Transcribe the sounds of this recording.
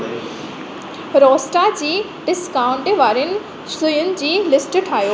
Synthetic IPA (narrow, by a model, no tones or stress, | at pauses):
ɾɔːsʈad͡ʑiː | ɖɪskaːʊ̃ɳʈʋaːɾənɪ̆ | sʊjʊnɪ̆d͡ʑiːlɪsʈʈʰaːɦjoː